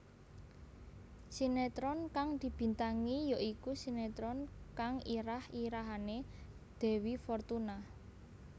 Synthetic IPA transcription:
sinet̪ɾɔnkaŋd̪̥i̤b̥i̤nt̪aŋijoʔikusinet̪ɾɔnkaŋiɾahiɾaɦane | d̪̥ɛ̤wifɔrt̪una

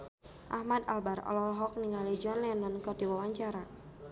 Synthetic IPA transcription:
ʔahmad̪a̰lbarɔ̰lɔlɔɦɔk̚niŋɡalid͡ʒɔnlɛnɔnkɔrdiwawaɲt͡ʃaɾa

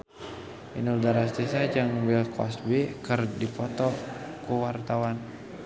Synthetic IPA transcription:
ʔḭnuldaɾast̪isad͡ʒaŋwilkʰɔ̰sbɛkərdipɔt̪ɔkuwart̪awan

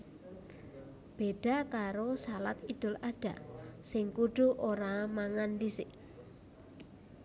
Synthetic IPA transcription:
b̥eɖ̥a̤kaɾosalat̪id̪̥ʊ̤laɖ̥a̤sɪŋkuɖ̥ṳʔoɾamaŋandisɪʔ

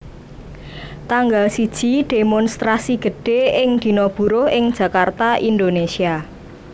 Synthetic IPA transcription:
t̪aŋɡalsid̥ʒ̥iɖ̪̥emɔnst̪ɾasiɡ̥ə̤ɖ̥e̤ɪŋd̪̥i̤nob̥ṳɾʊhɪŋd̥ʒ̥ä̤kart̪aʔind̪onesia

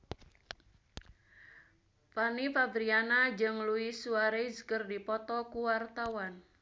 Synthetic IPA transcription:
panifabɾianad͡ʒɨŋluisuaɾeskərdipɔt̪ɔkuwart̪awan

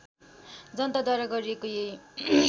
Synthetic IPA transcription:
d͡zʌnt̪ad̪ʱʌɾʌɡʌɾiekoje

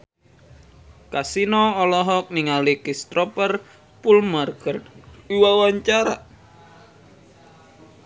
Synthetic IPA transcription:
kasinɔːlɔɦɔk̚niŋalikist̪ɾɔpər | pulmarkəriwawaɲt͡ʃaɾa

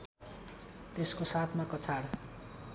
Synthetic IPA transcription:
t̪eskosat̪ʰmakʌt͡sʰaɽ

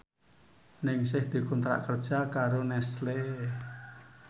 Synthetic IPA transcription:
nɪŋsɪhd̪̥i̤kunt̪ɾa̰ʔkərd̥ʒ̥a̤kaɾonɛsle

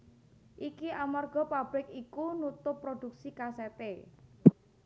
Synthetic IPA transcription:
ʔikiʔamarɡ̥ɔ̤pab̥ɾɪkikunut̪ʊpːɾod̪̥ṳk̚sikasep̪e

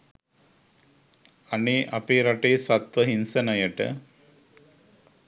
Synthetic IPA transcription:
aneːʔapeːɾaʈeːsat̪ʋəɦinsənəjəʈə̰

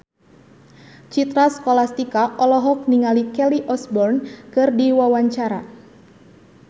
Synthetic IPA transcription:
t͡ʃit̪ɾaskɔlast̪ikaʔɔlɔɦɔk̚niŋalikɛliʔɔsbɔrnkɨrdiwawaɲt͡ʃaɾa

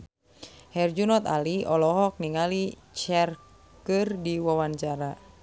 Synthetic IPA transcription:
hɛrd͡ʒunɔt̪a̰liɔlɔɦɔk̚niŋali | t͡ʃɛr | kɨrdiwawaɲt͡ʃaɾa

